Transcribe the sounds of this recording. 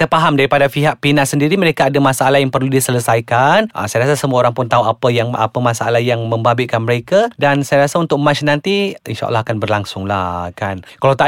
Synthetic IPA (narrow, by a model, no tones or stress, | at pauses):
t̪ərpaɦamdaɾipadafiɦaʔ̚pinaʔsəndiɾiməɾekaːdamasaalahjaŋpərludisələsajkanʔa̰sajaɾas̬asəmuaoɾaŋpʊnt̪auapəjaŋa̰pəmasaalahjaŋmə̃mbabikanməɾekadansajaɾasaunt̪ʊk̚mat͡ʃnant̪iḭnʃa̰ʔa̰lːahakanbərlaŋsʊŋla̰kankalawt̪a